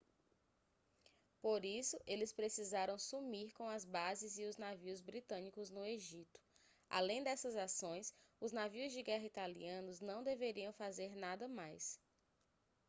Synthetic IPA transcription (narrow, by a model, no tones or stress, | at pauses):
poɾisʊʔelɪspɾesizaɾɐ̃w̃sumiɾkõw̃ɐzbazɪzɪʊznaviʊzbɾit̪ɐ̃nikʊznʊeʒit̪ʊ̥ | a̰lẽj̃d̪ɛsɐzasõj̃sʊznaviʊzd͡ʒɪɡɛɦɐit̪alḭɐ̃nʊznɐ̃w̃d̪eveɾiɐ̃w̃fazeɾnad̪ɐmajs